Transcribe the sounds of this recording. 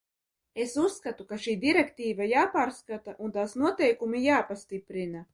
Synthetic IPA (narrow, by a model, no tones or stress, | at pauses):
esusːkat̪ukaʃiːd̪iɾɛkt̪iːvajaːpaːɾskat̪aʔunt̪aːsnuɔt̪ɛjkumijaːpast̪ipɾina